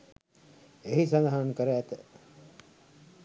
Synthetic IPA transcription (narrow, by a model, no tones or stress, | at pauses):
eɦisand̪əɦankəɾəæt̪ə